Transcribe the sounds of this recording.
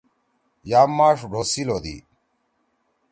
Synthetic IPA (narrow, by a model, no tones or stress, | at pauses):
jaːmːaːʂɖʱoːsiloːd̪ḭ